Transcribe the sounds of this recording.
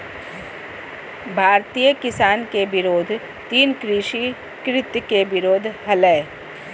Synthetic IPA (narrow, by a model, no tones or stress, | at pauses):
bʱaːɾt̪ijəkɪsaːnkeʋɪɾoːd̪ʱ | t̪iːnkɾiʃi | kɾɪt̪jkeʋɪɾoːd̪ʱɦɐlɛː